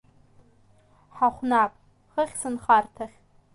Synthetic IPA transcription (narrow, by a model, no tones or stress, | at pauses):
ħaχʷnapʼ | χəχʲsɨnχartʰaχʲ